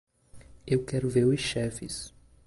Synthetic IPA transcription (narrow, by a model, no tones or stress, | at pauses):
ewkɛɾʊvelʊʃɛfɪs